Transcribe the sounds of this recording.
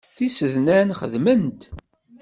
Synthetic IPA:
θisəðnænχə̰ðmənt̪

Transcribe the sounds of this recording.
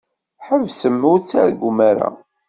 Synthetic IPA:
ħəvsəmːut͡sːæɾɡʷumaɾa̰

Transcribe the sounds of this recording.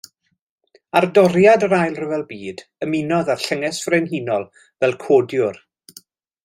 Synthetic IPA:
ardɔɾjadəɾajlˠrəvɛlˠbiːdəmɪnɔðar̥ɬəŋɛsv̥renɦinɔlˠ | vɛlˠkʰoːdjʊr

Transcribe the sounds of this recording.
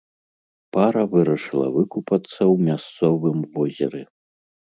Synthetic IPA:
paɾɐvɨɾɐʂɨlˠɐ̰vɨkupɐt̪sːɐwmʲast̪sɔvɨmvɔzʲɛ̰ɾɛ

